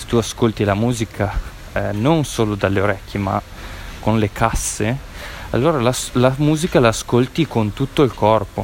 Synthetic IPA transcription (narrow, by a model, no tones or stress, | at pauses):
se̥t̪uaskolt̪ilamuːzikʰa | nonsoːlod̪alːeoɾɛkːema̰ | konlekʰasːea̰lːoːɾalaslamuːzikalaːskolt̪ikont̪ut̪ːoilkɔrpo